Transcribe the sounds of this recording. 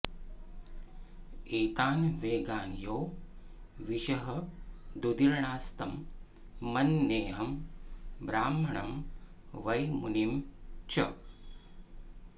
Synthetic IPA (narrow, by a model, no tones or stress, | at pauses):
eːt̪aːnʋeːɡaːnjoː | ʋiʃɐɦɐd̪ud̪iɾɳaːst̪ɐmː | ɐnːeːɦɐm | bɾaːmɐɳɐ̰m | ʋɐjmunimt͡ʃɐ